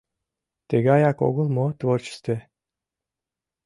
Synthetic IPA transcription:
t̪eɡajako̰ɡulˠmot̪vort͡ʃst̪e

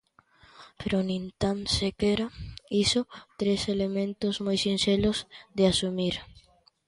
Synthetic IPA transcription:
peɾonĩnt̪ansekeɾaisot̪ɾeselemẽnt̪ozmojsinselozd̪easumiɾ

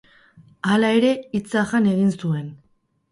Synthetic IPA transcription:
alae̞ɾe̞it͡saʝane̞ɣinsue̞n

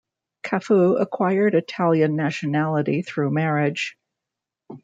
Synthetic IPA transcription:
kʰæfuə̰kʰw̥aɪə˞ɾɨtʰælˠjɨ̃nːæʃɨnælˠəɾiθɹʉmɛɹɪd̥ʒ̥

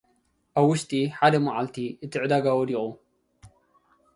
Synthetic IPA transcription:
ʔaβːʊʃt̪iħad̪ɐmaʕalt̪ʰiʔɨt̪ɨʕd̪aɡawɔd̪iʔʼu

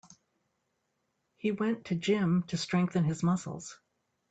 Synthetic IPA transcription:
hiwɛ̃ntʰɨd͡ʒɪ̃mtʰɨstɹ̥ɛ̃ŋk̚θɨ̃nɨzmʌsl̩ˠz̥

